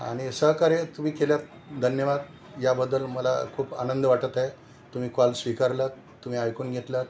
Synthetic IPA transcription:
a̰ɽ̃isəɦkaɾet̪um̤iːkeljat̪ | d̪ʱənjəʋad̪ | jabəd̪ːəlməla̰kʰuːpa̰nənd̪əʋaʈət̪ae | t̪um̤iːkalsʋikaɾlə | t̪ːum̤iːajkuːnɡʱet̪lət̪

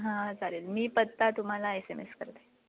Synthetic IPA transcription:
ɦãd͡zaɾelmiːpət̪ːat̪um̤alaesemḛskəɾt̪e̥

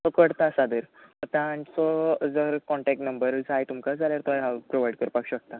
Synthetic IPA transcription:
sɔkəɽt̪asad̪əɾət̪ãːnsɔd͡zəɾkɔɳʈɛk̚ʈnəmbəɾd͡zajt̪umkad͡zaljaɾt̪oaɦapɾoʋajɖkəɾpakɕək̚t̪a

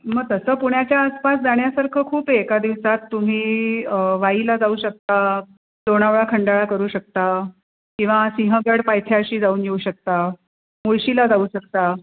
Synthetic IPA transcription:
məɡ̚t̪əsəːpuɳjat͡ɕjaəspas̬d͡zaɳjasaɾkʰəːkʰuːpekad̪iʋsat̪ːum̤iː | ʋailad͡zauːɕək̚t̪a | d̪̥oɽ̃aʋɭakʰəɳɖaɭakəɾuːɕək̚t̪a | kĩw̃ʋasĩɦəɡəɽpajt̪ʰjaɕiːd͡zauːnjeuɕək̚t̪a | moɭɕilad͡zauːɕək̚t̪a

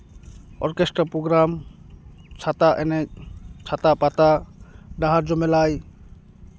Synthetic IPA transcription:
ɔ̰ɾkestɾapɾɔɡɾam | t͡ʃʰat̪aʔɛnɛk̚t͡ʃʰat̪apat̪adaɦaɾd͡ʒɔmɛlaj

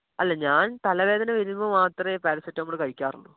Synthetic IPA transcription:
ɐlːeɲaːnt̪ɐlɐʋe̞ːd̪ɐnɐʋiɾumːɐmaːt̪repaːɾɐsɐtːɐmuɽɨkɐɻikʲːaːruɳːṵ

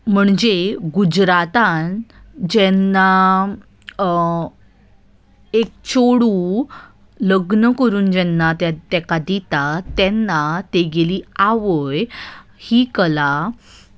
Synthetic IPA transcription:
m̤əɳd͡ʑeɡud͡ʑɾat̪and͡ʑɛnːa | ek̚t͡ɕoɽu | ləɡnəkəɾuːnd͡ʑɛnːat̪jat̪ɛkad̪it̪at̪ɛnːat̪eɡeliːaʋəjhiːkəla

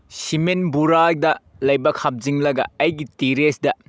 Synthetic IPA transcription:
simenbuɾadɐ | lɐjbɐkʰɐp̚ziŋlɐɡɐ̰ɐjɡitiɾesdɐ

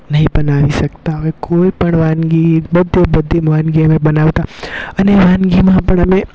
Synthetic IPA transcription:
nɐɦĩbɐnaːʋisɐkt̪aɦoekoːipɐɽ̃ʋaːnɡibɐd̪ʱjebɐd̪ʱimʋaːnɡimẽbɐnaːʋt̪aɐneʋãːnɡimaãpəɽ̃ɐmẽ

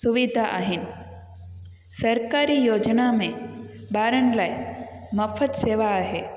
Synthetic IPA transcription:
suʋid̪ʱaʔa̰ɦɪnɪ̆ | sɐɾkaːɾijoːd͡ʒnamẽ | baːɾənlaːi | mɐfʰət̪seːʋaːɦe

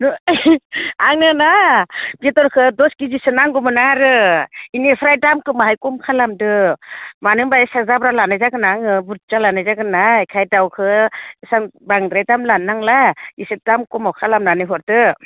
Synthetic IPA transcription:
nɔ | aŋnɯnabitɔɾkʰɯdɔskizisɯnaŋɡɔmɯnaɾɯinepʰɾajdamkɯmaɦajkɔmkʰalamdɯmanɯŋbaesazabɾalanajzaɡɯnaŋɯbuɾd͡ʒalanajzaɡɯnakʰajdawkʰɯsaŋbaŋdɾajtamlanːaŋlaisɯdamkɔmawkʰalamnanɯjɦɔɾdɯ

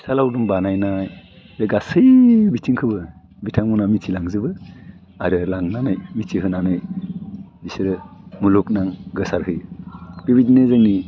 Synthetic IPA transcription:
salawdumbanajnaj | ɯɡasɯjbitʰiŋkʰɯbɯ | bitʰaŋmunamitt͡ʃʰilaŋzɯbɯ | aɾɯlaŋnanɯjmitt͡ʃihɯnanɯj | bisɯɾɯmuluk̚naŋɡɯsaɾhɯjb̥ibidnezɯŋni

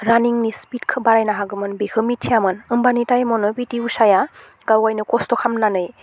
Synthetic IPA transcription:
ɾaniŋnispitkʰɯbaɾajnaɦaɡɯmɯnbihʰɯmitʰːijamɯnɯmbanitajmɔnɯbitiusaja | ɡawɡajnɯkɔstɔkʰamnanɯj

